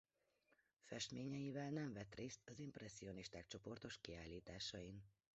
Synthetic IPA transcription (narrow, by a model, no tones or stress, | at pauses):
fɛʃt̪meːɲɛjivɛlnɛɱvɛt̪reːst̪ɒzimprɛsːio̞niʃt̪aːk̚t͡ʃo̞po̞rt̪o̞ʃkiaːlːiːt̪aːʃɒin